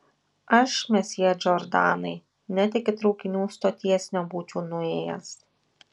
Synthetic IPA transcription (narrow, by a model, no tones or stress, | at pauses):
ɐʃmʲɛsʲid͡ʒʲɔɾd̪ɑːnɐɪ | nʲɛt̪ʲɪkʲɪt̪ɾɔʊkʲɪnʲuːst̪oːt̪ʲiɛsʲnʲoːbuːt͡ʃʲuːnʊeːjɛ̰s